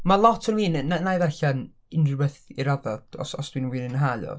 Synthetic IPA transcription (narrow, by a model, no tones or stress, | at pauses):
malˠɔtʰɔnwiːnnanajðaɬan | ɪnrɪbɛθiɾaðɔd̥ɔ̰sɔsd̥wiːnənwinɪnɦalɔ̰